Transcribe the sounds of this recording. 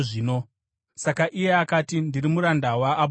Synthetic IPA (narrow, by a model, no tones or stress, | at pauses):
ʐiːno̞ | sakaʔije̞akatindirimuɾandawaːɓ